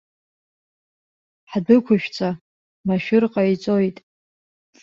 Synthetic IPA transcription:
ħdɨkʷʰʊʃᶣt͡sʰa | maʃᶣɪrqʼait͡sʼo̞jtʼ

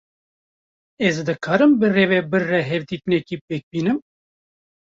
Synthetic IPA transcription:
ɛzd̪ɨkʰɑːɾɨmbɨreːvɛbɨɾːɛɦɛvd̪iːt̪ɨnɛkiːpeːk̚biːnɨm

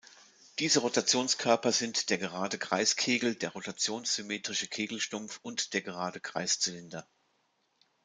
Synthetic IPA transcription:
d̥iːzəʁotat͡sjoːnskʰœɐpɐzɪntd̥eːɐɡəʁaːdəɡʁ̥aɪskʰeːɡl̩d̥eːɐʁotat͡sjoːnsz̥ymeːtʁ̥ɪʃəkʰeːɡl̩ʃtʊmfʊntd̥eːɐɡəʁaːdəɡʁ̥a̰ɪst͡sɪlɪndɐ

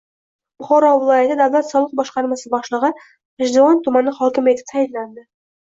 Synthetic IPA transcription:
b̥ʊχɒɾɒvɪlˠɒjat̪ad̪avlat̪sɒlˠəq̚bɒʃqɑɾmasɪbɒʃlˠɨʁɨ | eʒd̪oɑnt̪ʰʊmanːɪhɒkʲɪme̞t̪ʰɪ̥p̚t̪ʰajɪlːand̪ɪ

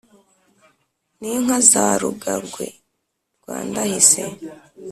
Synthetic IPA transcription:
niŋ̥hazaːɾṵɡaɾɡwe̞̰ | ɾɡwa̰ːndahise̞

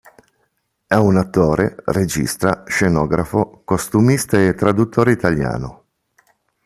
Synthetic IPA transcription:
ɛunat̪ːoːɾḛred͡ʒḭst̪ɾa̰ʃenɔːɡɾafokost̪umist̪aet̪ːɾad̪ut̪ʰːoːɾeit̪alja̰ːno

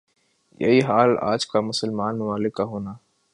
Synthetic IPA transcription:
jɐ̰ɦiɦaːla̰ːd͡ʒkamʊsəlmaːnmɐmaːlɪkːaɦoːnaː

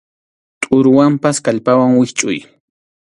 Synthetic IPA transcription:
t̪ʼʊɾʊwampaskaʎpawaŋwɪxt͡ʃʼʊ̰j

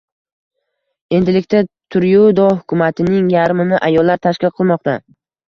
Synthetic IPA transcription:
e̞nd̪ɪlɪkʲt̪at̪ʰʊɾjud̪ɒɦʊkʰʲʊmat̪ʰɪnɪŋjaɾmɪnɪʔajɒlˠːaɾt̪ʰaʃkʲɪlqʰɨlˠmɒqt̪a

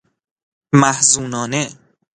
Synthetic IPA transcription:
mæhzuːnɒːne

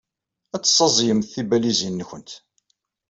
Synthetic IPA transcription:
æt͡sːsˤːɑzˤjəmθθibælizinːəçənt̪

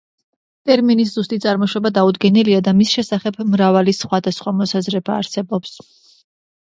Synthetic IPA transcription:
t̪ʼɛɾminis̬zust̪ʼit̪sʼaɾmɔʃwɔbad̪aud̪ɡɛniliad̪amisʃɛsaχɛbmɾavalisχwad̪asχwamɔsazɾɛbaːɾsɛbɔps

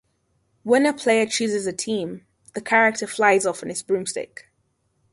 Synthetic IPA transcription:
wə̃nəpʰl̥eɪət͡ʃʰʉːzɪzətʰĩːm | ðəkʰaɹɪk̚tʰəflaɪzɔfə̃nɪtzb̥ɹʉ̃mstɪ̰k

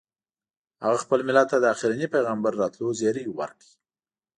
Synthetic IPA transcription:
ha̰ɣaxpəlmɪlat̪̚ːad̪əaxɪɾinipajɣambaɾːɑt̪lozɑɾiwa̰ɾki

